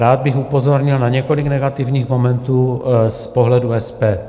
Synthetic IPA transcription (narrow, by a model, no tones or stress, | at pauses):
ɾaːd̪̚bɪxupozo̞ɾɲɪlnaɲɛko̞lɪɡnɛɡat̪ɪvɲiːxmomɛnt̪uːspoɦlɛduɛspɛː